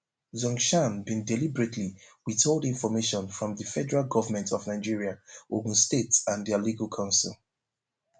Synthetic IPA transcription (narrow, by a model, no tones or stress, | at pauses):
zɔ̃ŋʃãmbĩndɛlibɹetʰliwitolˠdĩnfɔmeʃɔ̃nfɹɔ̃mðəfɛdəɹalˠɡɔvəmɛ̃ntʰɔvnaɪd͡ʒiɹiaoɡ̃n̩stetsãnðialiɡalkʰãʊ̃nsilˠ